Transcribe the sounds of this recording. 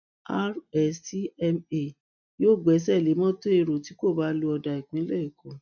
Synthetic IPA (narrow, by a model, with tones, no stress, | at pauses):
a˦ɾɛ˨si˦ɛ˧me˨ | joː˦˨ɡ͡bɛ˨˦s̬ɛ˦˨le˨˦mɔ̃˦to˦e˧ɾo˨ti˨˦ko˦˨ba˨˦lo˧˦ɔ˧da˧i˨k͡pĩ˨˦i˦lɛ˦i˨kɔ̃˨